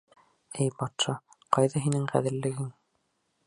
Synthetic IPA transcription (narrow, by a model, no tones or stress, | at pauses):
ɘjbɑt̪ʃɑ | qɑjðɑɦinɘŋqæðɘ̆ɾlɘ̆ɡɘŋ